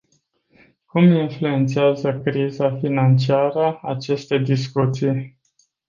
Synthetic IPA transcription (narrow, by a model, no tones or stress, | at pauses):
kuminflue̞nt̪siazəkɾizafinant͡ʃiaɾəat͡ʃe̞st̪e̞d̪iskut̪sij